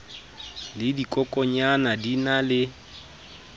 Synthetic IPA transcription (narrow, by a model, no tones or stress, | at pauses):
lɪdikʼɔkʼɔɲanadinalɪ